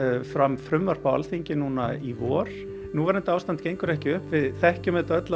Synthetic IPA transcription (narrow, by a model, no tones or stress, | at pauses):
fɾamfɾʏmvaɾ̥pawa̰lθiɲcɪnuːnaivɔːɾ̥ | nuvaɾɪnt̪aːwst̪ant̪cejŋkʏɾɛhcɪʏhpvɪðθɛhcʏmɛt̪œt̪la